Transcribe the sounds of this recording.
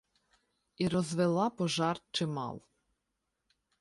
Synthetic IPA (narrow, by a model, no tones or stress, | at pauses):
iɾɔzʋelˠɑpɔʒɑrt͡ʃɪmɑ̰lˠ